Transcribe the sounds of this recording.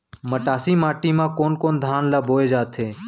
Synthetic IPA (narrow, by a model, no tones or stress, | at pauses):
məʈaːsiːmaːʈiːmãːkoːnkoːnd̪ʱaːnlaːbʱoːeːd͡ʒaːt̪ʰeː